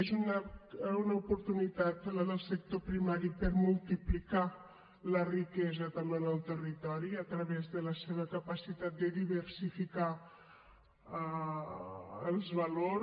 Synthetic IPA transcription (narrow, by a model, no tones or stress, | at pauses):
ezunaunəupuɾt̪unit̪at̪ələðəlˠsək̚t̪opɾimaɾipəɾmulˠt̪iplika | lərikɛzət̪əmenəlˠt̪ərit̪ɔɾiət̪ɾəβezðələseβ̞əkəpəsit̪at̪̚d̪əðiβəɾsifika | əlˠzβɐlo